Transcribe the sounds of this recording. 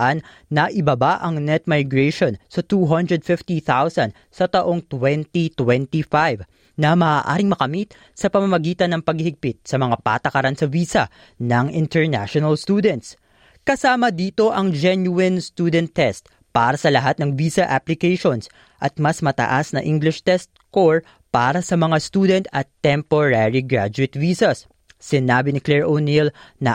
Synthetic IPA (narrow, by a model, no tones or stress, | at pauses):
ʔanː | ɐʔɪbabaʔɐŋnɛt̪̚majɡɹɛʃo̞nsɐt̪uːɦɐnd̪ɹɛd̪̚fɪft̪iθawsɐnd̪ | sɐt̪ɐʔo̞ŋt̪wɛnt̪it̪wɛnt̪ifajv | nɐmɐːʔa̰ːɾɪŋmɐkɐmit̪̚ | sɐpɐmɐmɐɡiːt̪ɐnːɐŋpɐɡ̚hihɪɡ̚pɪt̪̚sɐmɐŋapa̰ːt̪ɐkɐɾansɐviːsɐ | nɐŋɪnt̪ɛɹna̰ʃonɐlst̪uːd̪ɛnt̪s | kɐsaːmɐd̪iːt̪o̞ʔɐŋd͡ʒɛnjuɛnst̪uːd̪ɛnt̪ːɛst̪̚ | paːɾɐsɐlɐɦat̪̚nɐŋviːsɐʔaplɪkɛjʃo̞ns | ʔɐt̪̚mɐsmɐt̪ɐ̰ʔasnɐʔiŋɡlɪʃt̪ɛst̪̚koɹ | paːɾɐsɐmɐŋast̪uːd̪ɛnt̪ɐt̪ːɛmpoɾaɹiɡɹa̰d͡ʒʊɪt̪viːsɐsː | ɪnaːbɪnɪklɛɹʔonilnɐ